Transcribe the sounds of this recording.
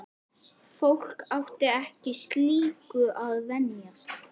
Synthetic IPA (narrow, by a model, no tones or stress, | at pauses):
fowl̥kawht̪ɪɛhcɪst̪liːkʏʔaðvɛnjast̪